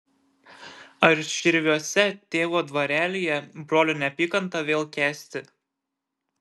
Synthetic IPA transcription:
ɐɾʃʲɪɾʲʋʲuɔsʲɛt̪ʲeːʋoːd̪ʋɐɾʲæːlʲijɛbɾoːlʲʊnʲɛpʲiːkɐnt̪ɐʋʲeːlˠkʲæːsʲt̪ʲɪ

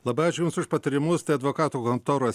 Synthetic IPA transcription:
lˠɑbɐɪɑːt͡ʃʲʊjʊmsʊʃpɐt̪ɐɾʲɪmʊst̪ɐɪɐd̪ʋoːkɑːt̪uːkont̪oːɾoɔs

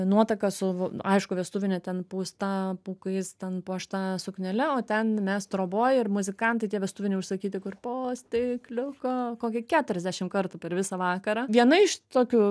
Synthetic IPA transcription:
nuɔt̪ɐkɐsʊɐ̰ɪʃkʊʋʲiɛst̪ʊʋʲɪnʲɛt̪ʲɛnpuːst̪ɑːpuːkɐɪst̪ʲɛnpuɔʃt̪ɑːsʊknʲɛlʲɛoːt̪ʲɛnmʲɛst̪ɾoːboːjɪrmʊzʲɪkɐnt̪ɐɪt̪ʲiɛʋʲiɛst̪ʊʋʲɪnʲɛɪʊʃsɐkʲiːt̪ʲɪkʊrpoːsʲt̪ʲɪklʲʊkoːkoːkʲɪkʲæːt̪ʊɾʲɛzʲd̪ʲæʃʲɪmkɐrt̪ʊpʲɛɾʋʲɪsɐʋɑːkɐɾɑːʋʲiɛnɐɪʃt̪oːkʲʊ

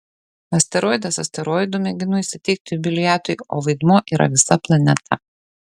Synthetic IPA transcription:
ɐsʲt̪ʲɛɾoːjd̪ɐsɐsʲt̪ʲɛɾoːjd̪ʊmʲɛɡʲɪnʊisʲɪt̪ʲɛɪk̚t̪ʲɪbʲɪlʲɪjæːt̪ʊɪoːʋɐɪd̪muɔːʔiːɾɐ̰ʋʲɪsɐplˠɐnʲɛt̪ʰɐ

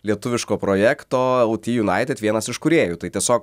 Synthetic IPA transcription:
lʲiɛt̪ʊʋʲɪʃkoːpɾoːjɛkt̪oːɛlˠt̪ʲiːjʊnɑˑɪt̪ʲɛt̪ʋʲiɛnɐsɪʃkʊɾʲeːjʊt̪ɐɪt̪ʲiɛsʲoːk

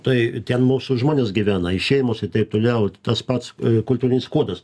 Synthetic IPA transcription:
t̪ɐɪt̪ʲɛnmuːsʊʒmoːnʲeːsɡʲiʋʲæːnɐɪʃʲeːjɪmoːsɪt̪ɐɪp̚t̪oːlʲɛʊt̪ɐspɐt̪skʊlʲt̪uːɾʲɪnʲɪskuɔd̪ɐs

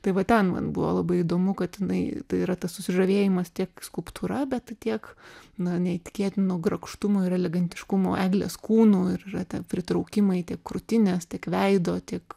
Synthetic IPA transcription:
t̪ɐɪʋɐt̪ʲɛnmɐ̰nbʊʋo̰ːlˠɐbɐɪid̪oːmʊkɐt̪ɪnɐɪt̪ɐɪiɾɐt̪ɐssʊsʲɪʒɐʋʲeːjɪmɐst̪ʲiɛkskʊlˠpt̪ʰuːɾɐbʲɛt̪t̪ʲiɛknɐnʲɛɪt̪ʲɪ̥kʲeːt̪ʲɪnoːɡɾɐkʃt̪ʊmoːɪɾɐlʲɛɡɐnʲt̪ʲɪʃkʊmo̰ʔæːɡlʲḛːskuːnoːɪɾɪrɐt̪ʲɛpʲɾʲɪt̪ɾɐʊkʲɪmɐɪt̪ʲiɛkkːɾʊt̪ʲɪnʲeːst̪ʲiɛkʋʲɛɪd̪oːt̪ʲiɛk

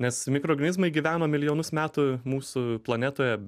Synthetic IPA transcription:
nʲɛsmʲɪkɾoːɡɐnʲɪzmɐɪɡʲiʋʲæːnoːmʲɪlʲɪjoːnʊsmʲæːt̪ʊmuːsʊplˠɐnʲɛt̪oːjɛ

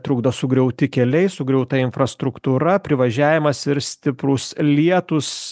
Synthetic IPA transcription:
t̪ɾʊɡd̪osʊɡɾʲɛʊt̪ʲɪkʲɛlʲɛɪsʊɡɾʲɛʊt̪ɐɪnfɾɐst̪ɾʊkt̪uːɾɐpʲɾʲɪʋɐʒʲæːʋʲɪmɐsɪɾsʲt̪ʲɪpɾʊslʲiɛt̪ʊs

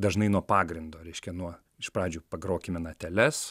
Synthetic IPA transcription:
d̪ɐʒnɐɪnuɔpɑːɡɾʲɪnd̪oːɾʲɛɪʃʲkʲɛnuɔ | ɪʃpɾɑːd͡ʒʲuːpɐɡɾoːkʲɪmʲɛnɐt̪ʲɛlʲɛs

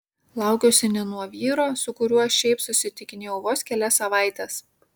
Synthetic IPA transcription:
lˠɑˑʊkʲoːsʲɪnʲɛnuɔʋʲiːɾoːsʊkʊɾʲuɔɐʃʲɛɪpsʊsʲɪt̪ʲɪkʲɪnʲeːjɛʊʋoːskʲɛlʲɛsɐʋɑˑɪt̪ʲɛːs

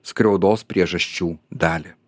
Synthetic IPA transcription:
skɾʲɛʊd̪oːspʲɾʲiɛʒɐsʲt͡ʃʲuːd̪ɑːlʲɪ

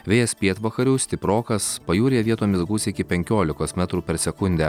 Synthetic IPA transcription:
ʋʲeːjɛspʲiɛt̪ʋɐkɐɾʲuːsʲt̪ʲɪpɾoːkɐspɐjuːɾʲeʋʲiɛt̪oːmʲɪsɡuːsʲɪɪkʲɪpʲɛŋʲkʲoːlʲɪkoːsmʲæt̪ɾuːpʲɛɾsʲɛkʊnʲd̪ʲæ

